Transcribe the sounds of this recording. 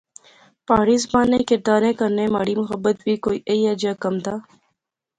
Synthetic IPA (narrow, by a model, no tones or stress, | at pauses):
paːɽiːzbaːnekeʈ̪aːnẽːkɐɾnẽmaːɽiːmʊxəbːət̪biːkoːiːʔeiːad͡ʒaːkɐmt̪ʰaː